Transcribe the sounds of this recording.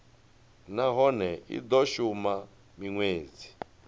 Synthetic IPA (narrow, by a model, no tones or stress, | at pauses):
naɦɔnɛḭd̪ɔʃuma | miŋweːd͡zi̥